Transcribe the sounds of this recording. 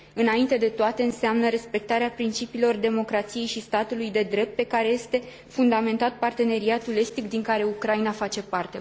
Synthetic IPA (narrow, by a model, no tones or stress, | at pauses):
ɨnaint̪e̞d̪e̞t̪oat̪e̞ɨnseamnəɾe̞spe̞k̚t̪aɾeapɾint͡ʃipiːlo̞rd̪e̞mo̞kɾat̪sije̞jʃist̪at̪ulujd̪e̞d̪ɾe̞p̚t̪̚pe̞kaɾe̞je̞st̪e̞ | fund̪ame̞nt̪at̪̚part̪e̞ne̞ɾiat̪ule̞st̪ikd̪iŋkaɾe̞ukɾainafat͡ʃe̞part̪e̞